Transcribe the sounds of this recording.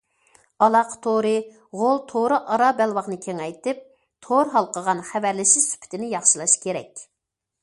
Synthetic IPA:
ɑlˠɑqt̪ʰoɾɨ | ʁolˠt̪ʰoɾɨʔɑɾɑbɛlwɑʁnɨkʲʰeŋɛjt̪ɪp̚ | t̪ʰoɾɦɑlˠqəʁɑnχævæɾlɪʃisy̥pʰɪ̥t̪ʰɪnɪjɑχʃilˠɑʃkʲʰeɾɛ̰kʲ

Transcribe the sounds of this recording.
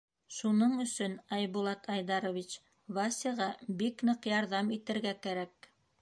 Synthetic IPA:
ʃunɤɴɵ̆sɵnɑjβulˠɑt̪ʰɑjd̪ɑɾŏvʲit͡ɕ | βɑsʲiʁɑbiknɤqjɑɾðɑmit̪ɘ̆ɾɡækæɾæk

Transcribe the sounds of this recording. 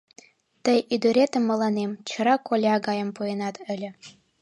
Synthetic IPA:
t̪əjid̪oɾet̪ə̆mːɤ̆lɑnemt͡ɕʰə̆ɾɑkolʲɑɡɑjə̆mpujenɑt̪ɘ̆lʲɘ̆

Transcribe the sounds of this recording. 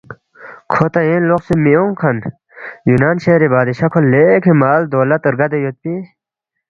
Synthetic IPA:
kʰot̪ɐenloqsimioŋkʰɐn | junaːnɕeɾibaːd̪iɕɐkʰolekʰemaːld̪oːlɐt̪əɾɡɐd̪ejot̪̚pi

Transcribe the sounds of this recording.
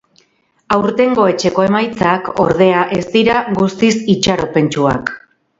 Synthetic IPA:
awɾt̪e̞ŋɡo̞e̞t͡ʃe̞ko̞e̞majt͡sako̞̰ɾðe̞aʔe̞st̪iɾaɣust̪isit͡ʃaɾo̞pe̞nt͡ʃua̰k

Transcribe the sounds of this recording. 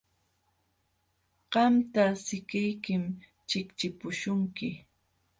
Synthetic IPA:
ɢ̥ɑmt̪asɪkɪjkɪm | t͡ʃɪkt͡ʃɪpʊʃʊŋkɪ

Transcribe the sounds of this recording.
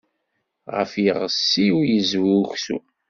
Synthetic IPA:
ʁə̰fiʁəsːiwjəzwuçsṵ

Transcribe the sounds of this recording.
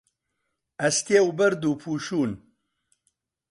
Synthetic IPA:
ɐst̪eːwubɐɾd̪uːpʰuːʃuːn

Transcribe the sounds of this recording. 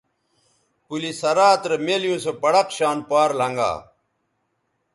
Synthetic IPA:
pulisɐɾaːt̪ɾemeljũːsopɐɽɐqɕaːnpaːɾlɐŋɡa̰ː

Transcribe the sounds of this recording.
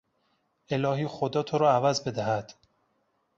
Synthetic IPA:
e̞lɒːɦiːxod̪ɒːt̪ʰoɾɒːævæzbe̞d̪æhæd̪̥

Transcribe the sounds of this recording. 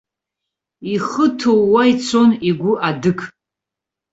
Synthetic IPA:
iχətʰowwait͡sʰo̞niɡʷʊʔadɨkʼ

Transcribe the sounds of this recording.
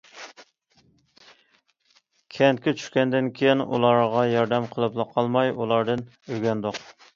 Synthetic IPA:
kʲʰɛnt̪̚kʲɛt͡ʃʰy̥ʃkʲɛnd̪ɪnkʲʰejinṵlˠɑɾʁɑjɑɾd̪ɛmqʰəlˠɨplˠəqʰːɑlˠmɑjulˠɑɾd̪ɨn | øɡʲɛnd̪oq

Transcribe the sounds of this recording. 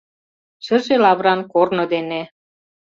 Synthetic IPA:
ʃə̆ʒelɑβɾɑnkornɤ̆d̪ene

